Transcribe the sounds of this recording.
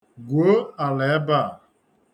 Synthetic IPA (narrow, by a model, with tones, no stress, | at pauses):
ɡʷo˦a˨le˨˦ba˦˨